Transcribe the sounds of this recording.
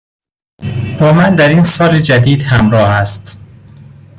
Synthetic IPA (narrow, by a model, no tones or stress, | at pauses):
b̥ɒːmænd̪æɾinsɒːled͡ʒæd̪iːd̪hæmɾɒːhæst̪